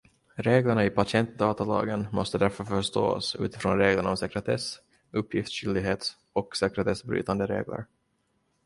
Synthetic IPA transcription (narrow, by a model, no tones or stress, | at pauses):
ɾeːɡləɳaɪpʰasɪɛnt̪̚d̪ɑːt̪alɑ̰ːɡənmɔst̪əd̪æɾfœɾfœʂt̪o̰ːsʉ̟ːt̪ɪ̥fɾoːnɾeːɡləɳɔmsɛkɾɛt̪ʰɛs | ɵpʰːjɪft̪sɕʏld̪ɪɡɦeːt̪ | ɔksɛkɾɛt̪ʰɛsbɾy̰ːt̪and̪əɾḛːɡlʔə̰ɾ